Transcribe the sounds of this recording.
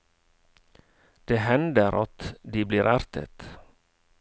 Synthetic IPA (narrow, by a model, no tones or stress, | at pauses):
d̪̥eːhɛnd̪əɾʔɑt̪d̪iːbliːɾʔæɾt̪ʰə̰t̪